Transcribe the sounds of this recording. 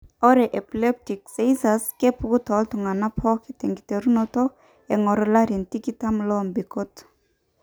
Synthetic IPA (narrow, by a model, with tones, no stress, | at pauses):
ɔ˦ɾeʔe˨ple˦p̚ti˨kse˦jsaske˦pu˨ku˦t̪ɔ˨˦lt̪u˨ŋa˨na˦pʰɔ˦kit̪e˨ŋɡi˨te˨ɾu˦noto˦ | e˨ŋɔ˨ɾɔ˨la˦ɾi˨nti˦ki˦ta˦mlɔ˦mbi˨ko˦t̪